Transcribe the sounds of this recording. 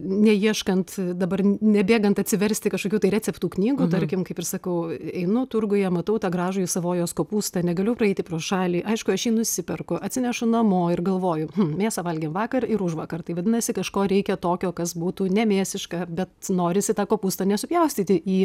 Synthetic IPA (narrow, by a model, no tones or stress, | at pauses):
nʲɛjiɛʃkɐnt̪d̪ɐbɐrnʲɛbʲeːɡɐnt̪ɐt̪ʲsʲɪʋʲɛɾʲsʲt̪ʲɪkɐʃkokʲuːt̪ɐɪɾʲæːtt͡sʲɛpt̪uːknʲiːɡuːt̪ɐrʲkʲɪmkɐɪpɪɾsɐkɐʊɛɪnʊt̪ʊrɡʊjɛmɐt̪ɐʊt̪ɑɡɾɑːʒʊjɪsɐʋoːjoːskoːpuːst̪ɐnʲɛɡɐlʲʊpɾɐɛɪt̪ʲɪpɾoːsʃɑːlʲiːʔɐɪʃkʊɐʃjiːnʊsʲɪpʲɛrkʊɐt̪ʲsʲɪnʲɛʃʊnɐmoːɪrɡɐlˠʋoːjʊmm̩mʲeːsɐʋɐlʲɡʲeːmʋɑːkɐrɪɾʊʃʋɑːkɐrt̪ɐɪʋɐdʲɪnɐsʲɪkɐʃkoːɾʲɛɪkʲɛt̪oːkʲoːkɐsbuːt̪uːnʲɛmʲeːsʲɪʃkɑbʲɛt̪noːɾʲɪsʲɪt̪ɑːkoːpuːst̪ɐnʲɛsʲʊpjɛʊsʲt̪ʲiːt̪ʲɪiː